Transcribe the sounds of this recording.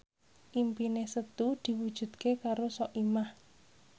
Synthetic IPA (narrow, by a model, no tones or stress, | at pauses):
ʔimpinesət̪ud̪̥i̤wud̥ʒ̥ṳd̪̥̚kekaɾosɔʔimah